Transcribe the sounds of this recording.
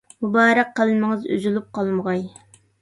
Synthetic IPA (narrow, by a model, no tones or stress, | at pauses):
mubɑːɾæq̚ːəlɪmɪŋɨzy̰zylˠup̚qʰɑlˠməʁɑj